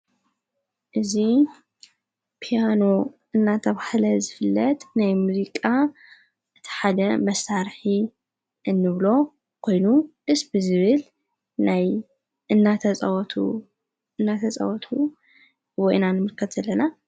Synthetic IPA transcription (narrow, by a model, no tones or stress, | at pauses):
ʔɨzi | pʰijano̞ | ɨnːat̪ʰɐβahlɐzɨfɨlːɐt̪najmuzikʼa | ʔɨt̪ʰi̥ħad̪ɐmɐsːaɾħi | ɨnːɨβlo̞ | kʰo̞jnuʔɨsbɨzɨβɨl | naj | ɨnːat̪ʰɐɐwt̪ʰu | ɨnːat̪ʰɐt͡sʼɐ̰wɔt̪ʰu | wɔjnanɨmɨɾkʰɐt̪z̥ɐlːɐna